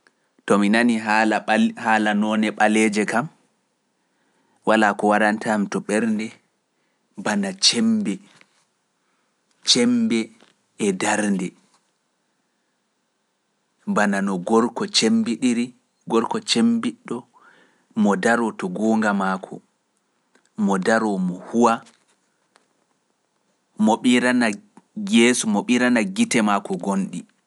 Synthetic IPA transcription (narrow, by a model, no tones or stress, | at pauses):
tɔminaniɦaahaːlanɔːnɛɓalɛd͡ʒɛkam | wʔalaːkɔwaɾantamitɔɓɛɾndɛ | banat͡ʃɛmbɛ | t͡ʃɛmbɛ | ɛdaɾndɛ | bananɔɡɔɾkɔt͡ʃembiɗiɾi | ɡɔɾkɔt͡ʃembiɗːɔ | mɔdaɾɔtɔɡɔːŋɡamakʰɔ̰ | mɔdaɾɔmɔhuwa | mɔɓiɾanajesumɔɓiɾanaɡitɛmakɔɡonɗi